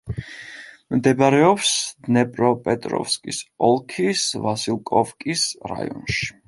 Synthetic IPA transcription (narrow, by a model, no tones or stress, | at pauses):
md̪ɛbaɾɛɔpsd̪nɛpʼɾɔpʼɛt̪ʼɾɔ̰fskʼisɔlˠkʰisvasilˠkʼɔfkʼisɾa̰jɔnʃi̥